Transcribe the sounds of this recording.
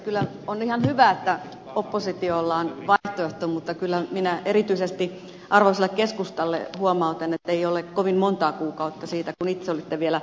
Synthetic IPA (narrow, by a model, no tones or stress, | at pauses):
kylːæ | onihɑnhyʋæet̪ːæ | opːosit̪iolːɑːnʋɑiht̪oeht̪oːmut̪ːɑkylːæminæʔerit̪yisest̪i | ʔɑrʋoiselːekkeskust̪ɑlːḛhuomɑut̪enet̪ːeiolekkoʋimmont̪ɑːkuːkɑut̪ːɑsiːt̪ækunit̪seolit̪ːeʋielæ